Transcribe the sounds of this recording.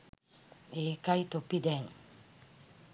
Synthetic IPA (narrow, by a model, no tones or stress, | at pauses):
eːkajt̪opːid̪ɛŋ